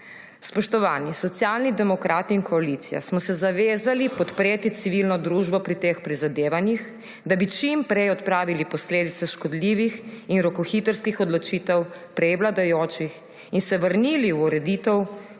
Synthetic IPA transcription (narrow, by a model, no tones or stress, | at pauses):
spɔʃt̪ɔʋaːnisɔt̪sjaːlnid̪ɛmɔkɾʔaːt̪iːnkɔalit̪sija̰smɔsɛzaʋeːzalipɔt̪pɾeːt̪it̪siʋilnɔd̪ɾuʒbɔpɾit̪eːxpɾizad̪eːʋanjix | d̪abit͡ʃimpɾɛjɔt̪pɾaːʋilipɔsleːd̪it̪sɛʃkɔd̪liʋixinɾɔkɔxit̪əɾskixɔd̪lɔt͡ʃiːt̪ɛwpɾɛjʋlad̪ajoːt͡ʃix | insɛʋəɾniliwuɾɛd̪it̪ɛw